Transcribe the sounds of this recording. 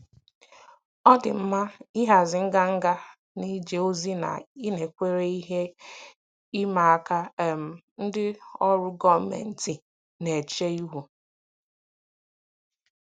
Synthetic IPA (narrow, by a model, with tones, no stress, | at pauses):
ɔ˦dɪ̰˨m̩˦ma˦i˦ɦa˨zɪ˨ŋ̩˦ɡa˦ŋ̩˦ɡa˦ | ni˦d͡ʒe˨o˦zi˦na̰˨i˦ne˨kʷe˦ɾe˦i˦ɦe˦ | i˦ma˨a˦ka˦˨m̩˨ | n̩˦dɪ˦ɔ˦ɾʊ˦ɡɔ˦mḛ˨n̩˦ti˨ | ne˨t͡ʃe˦u˦ɦu˨